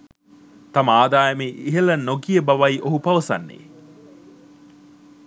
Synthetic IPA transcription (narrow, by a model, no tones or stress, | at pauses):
t̪ɐməaːd̪aːjɐmeʔiɦelɐnoɡijəbɐʋaiʔoɦupɐʋɐsɐ̰nːḛː